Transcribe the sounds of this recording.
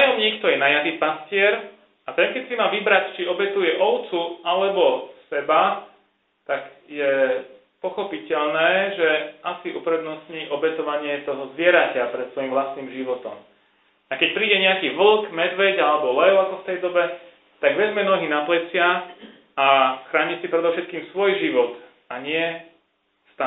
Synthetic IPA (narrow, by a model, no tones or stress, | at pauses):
najɔmɲiːkt̪ɔjɛnajadipascɪɛɾ | at̪ɛŋkɛcsimaːʋibɾact͡ʃiɔbɛt̪ujɛʔɔʊt͡sualɛbɔsɛba | t̪aɡjɛ | pɔxɔpicɛʎnɛːʒɛʔasiʔupɾɛd̪nɔsɲiːʔɔbɛt̪ɔʋaɲɪɛt̪ɔɦɔzʋɪɛɾacapɾɛt̪sʋɔjimʋlast̪niːmʒiʋɔt̪ɔm | akɛc̚pɾiːɟɛɲɛakiːʋl̩ˠkmɛd̪ʋɛɟalɛbɔlɛʊakɔft̪ɛjd̪ɔbɛ | t̪aɡʋɛzmɛnɔɦiːnaplɛt͡sɪa | axɾaːɲisipɾɛd̪ɔʊʃɛt̪̚kiːmsʋɔjʒiʋɔt̪ | aɲɪɛ | st̪a